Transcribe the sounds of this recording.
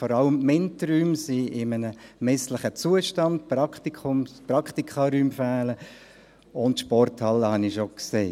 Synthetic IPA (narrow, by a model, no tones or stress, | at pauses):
fɔɾɑləmːɛntɾyːmsiɪmənəmɛsləχət͡suəʃtɑnd̚prɑkχt̪ikχʊmsprɑkχt̪ikχɑɾyːmfæːlə | ʊntʃpɔrthɑləhɑnɪʃokseː